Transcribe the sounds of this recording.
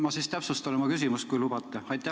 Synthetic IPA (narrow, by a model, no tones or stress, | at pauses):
mɑsiːst̪æpsust̪ɑnemɑkys̬imust̪kujlub̥ɑt̪ːˑeɑjt̪ːˑæ